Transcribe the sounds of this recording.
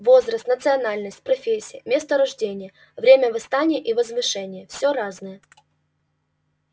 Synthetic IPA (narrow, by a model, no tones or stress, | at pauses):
vo̞zɾəst̪nət̪sɨɐnalʲnəsʲtʲpɾɐfʲesʲːɪjəmʲest̪əɾɐʐdʲenʲɪjə | vɾʲemʲəvɨst̪anʲɪjəʔivəzvɨʂɛnʲɪjəfsʲoɾaznɨjə